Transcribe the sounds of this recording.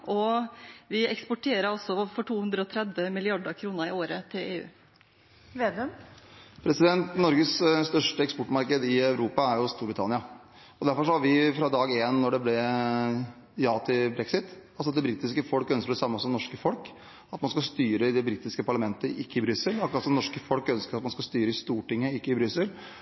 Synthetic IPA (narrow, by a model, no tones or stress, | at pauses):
ʔɔʋɪɛkspɔʈʰeːɾəɾɔsɔfɔʈʰuːhʉnd̪ɾəɔt̪ʰɾɛd̪ʋəmɪlɪɑɖəkʰɾuːnəɾɪoːɾət̪ʰɪleːʉ̰ː | ʋeːd̪ | pʰɾɛsɪd̪ɛnt̪nɔɾɡəsst̪œʂʈəɛkspɔʈmɑɾkəd̪ɪœʉɾuːpɑæɾjʊst̪uːɾbɾɪt̪ʰɑnɪɑ | ɔd̪æɾfɔɾʂɔhɑɾʋɪfɾɑd̪ɑːɡeːnːɔɖɛblɛ | jɑːt̪ʰɪlbɾɛksɪt̪ɑlsɔɑt̪̚d̪ɛbɾɪːt̪ɪskəfɔlkœnskəɖ̪ɛsɑmːəsɔmnɔʂkəfɔlk | ɑt̪mɑnskɑst̪yːɾəɪd̪ɛbɾɪt̪ɪskəpʰɑɭɑmɛnt̪əʔɪkːəɪbɾʏsəlɑkɾɑt̪sɔmnɔʂkəfɔlkœnskəɾɑt̪mɑnskɑst̪yːɾəɪst̪uːʈɪŋːəɪkːəɪbɾʏsːəl